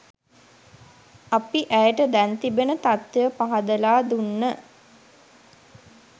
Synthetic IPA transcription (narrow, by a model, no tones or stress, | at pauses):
apiʔæjəʈəd̪ænt̪ibenət̪at̪ːəjəpaɦad̪əlaːd̪unːə